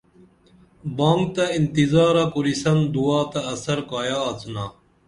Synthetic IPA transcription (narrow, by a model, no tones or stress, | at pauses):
bãːŋɡ̚t̪ɐint̪izaːɾakuɾisɐnd̪uaːt̪ɐːsɐɾkaːjaːt͡snaː